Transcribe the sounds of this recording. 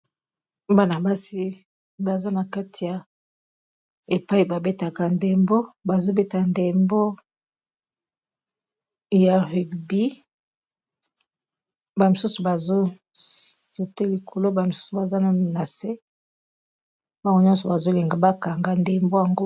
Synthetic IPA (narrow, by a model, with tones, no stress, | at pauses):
ba˦na˨ba˦si˦ | ba˨za˦na˨ka˦tʰi˨ja˨ | e˨pa˦i˨ba˨be˦ta˨ka˨nde˨mbo˦ba˨zo˦be˦ta˨nde˨mbo˦ | ja˨ʁi˨ɡbi˦ | ba˨mo˨su˦su˨ba˨zo˦ | so˨te˦li˨kʰo˨lo˦ba˨mo˨su̥˦su˨ba˨za˦na˨na˨se˦ | ba˦ɡo˦ɲɔ̃˦sɔ˨ba˨zo˦le˨ŋɡa˨ba˦ka˨ŋɡa˦nde˨mbo˦ja˨ŋɡo˦